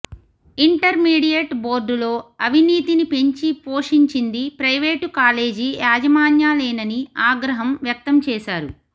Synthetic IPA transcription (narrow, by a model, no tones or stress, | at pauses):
iɳʈɐɾmiːɽijɐʈbo̞ːɾɖulo̞ːɐʋiniːt̪inipe̞ɲt͡ʃipo̞ːʂiɲt͡ʃind̪ipɾɐjʋeːʈkaːle̞ːd͡ʒijaːd͡ʒɐmaːnjaːleːnɐniaːɡɾɐɦɐmʋjɐk̚t̪ɐmt͡ʃɛːʃaːɾu